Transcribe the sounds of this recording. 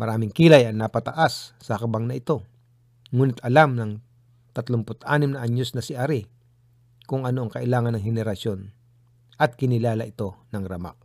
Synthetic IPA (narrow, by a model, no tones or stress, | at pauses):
mɐɾaːmɪŋkiːlɐjɐŋnɐpɐt̪ɐʔasː | ɐhkɐbaŋnɐʔɪt̪o̞ | ŋuːnɪt̪ʰɐlamnɐŋ | t̪ɐt̪lʊmpʊt̪ʔaːnɪmnɐʔɐɲːosnɐsɪʔaɾi | kʊŋɐno̞ʔɐŋkɐʔɪlaːŋɐnːɐŋhɛnɛɾɐʃo̞n | ʔɐt̪̚kɪnɪlaːlɐʔɪt̪o̞nɐŋɾɐma̰k̚